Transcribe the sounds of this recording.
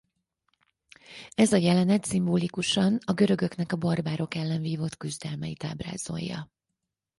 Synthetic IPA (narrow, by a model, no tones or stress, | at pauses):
ɛzɒjɛlɛnɛt̪simboːlikuʃɒnɒɡø̞ɾø̞ɡø̞knɛkɒborbaːɾo̞kɛlːɛnviːvo̞t̪kyzd̪ɛlmɛjit̪a̰ːbra̰ːz̥o̰jːɒ̰